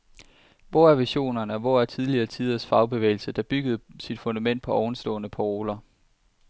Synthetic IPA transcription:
ʋɒ̰æɐʋiɕo̝̰ːnɐnəɒ̽ʋɒæɐt͡sʰið̞ˠliɐːt͡sʰið̞ˠɐsfɑ̈ʊb̥e̝ʋḛːɪl̩səd̥ɑ̈b̥yɡ̥əð̞̩ˠsid̥fo̝nd̥æmen̰d̥pʰɒ̽ʔɒʊn̩sd̥ɔ̰ːnəpʰoo̝ːlɐ

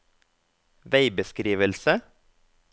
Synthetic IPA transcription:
ʋeɪbəskɾiːʋəlsə

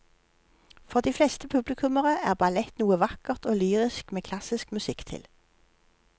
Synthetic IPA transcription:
fɔʁd̪iːflɛst̪əpʰʉblɪkʰʉməʁəæːʁbɑlɛt̪nuːəʋɑkəʁt̪oːlyːʁɪskmeːkʰlɑsɪskmʉsɪkt̪ʰɪ̰l

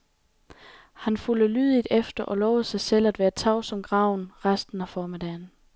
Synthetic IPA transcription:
hænfuləlyːðˠid̥efd̥ɐʔɒ̽lɒːʊð̩ˠsɑ̈ɪsel̰æd̥ʋæːɐt͡sʰɑ̈ʊsɒ̽mɡ̥ʁɑ̈ʊ̰nʁasd̥n̩æfɒːmed̥ɛːn̩

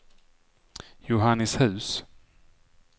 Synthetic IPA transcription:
jʊɦanːɪshʉ̟ːs

